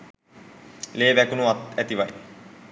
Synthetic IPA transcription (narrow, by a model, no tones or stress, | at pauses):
leːbækunuat̪æt̪iʋaj